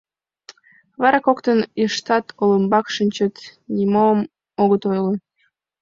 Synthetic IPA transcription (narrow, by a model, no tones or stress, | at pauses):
βɑɾɑkokt̪əniʃt̪ɑt̪ʰolə̆mbɑkʃənʲt͡ɕət̪nʲimom | oɣət̪ojle